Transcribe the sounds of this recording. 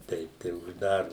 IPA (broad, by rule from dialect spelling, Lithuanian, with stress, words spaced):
ˈtʲɛɪp tɐɪ ʊʒˈdɑːroːm